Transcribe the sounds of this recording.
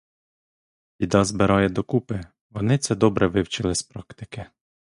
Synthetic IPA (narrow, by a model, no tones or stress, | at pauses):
ʋʲid̪ɑzbɪɾɑjɛd̪ɔkupɪ | ʋɔnɪt̪sɛd̪ɔbɾɛʋɪwt͡ʃɪlˠɪspɾɑkt̪ɪ̥kɪ